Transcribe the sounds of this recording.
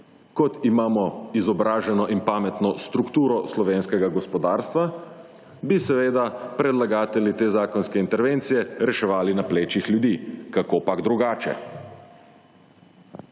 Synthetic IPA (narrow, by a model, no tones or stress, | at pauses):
kɔt̪imaːmɔizɔbɾaːʒɛnɔʔinpaːmɛt̪nɔst̪ɾukt̪uːɾɔslɔʋeːnskɛɡaɡɔspɔd̪aːɾst̪ʋa | bisɛʋeːd̪apɾɛd̪laɡaːt̪ɛlit̪eːzaːkɔnskɛint̪ɛɾʋeːnt̪sijɛɾɛʃɛʋaːlinapleːt͡ʃixlʲjud̪iːkakopaɡd̪ɾuɡaːt͡ʃɛ̰